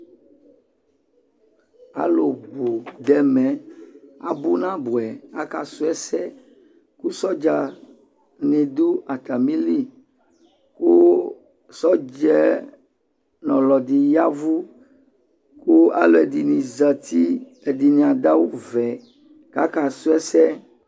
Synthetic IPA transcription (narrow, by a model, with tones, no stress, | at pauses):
a̰˨lo˨bo˨d̪ɛ˨mɛ̃˨a̰˨bu˦nã˦bu˨ɛ˨a˦ka˨su˦ɛ˦sɛ˦ | ku˦sɔ˦d͡ʒa˨ | nɛ̃˨d̪u˦a˨t̪a˨mĩ˦li˦ | ko˦ | sɔ˦d͡ʒɛ˦ | nɔ̃˨lɔ˨di˨ja˦vu˦ | ku˦a̰˦lo˨e˨di˨nĩ˨za˨t̪i˦ | e˨di˨nĩ˨a˨d̪a˦wu˦vɛ˨ | ka̰˦ka˨su˦ɛ˦sɛ˦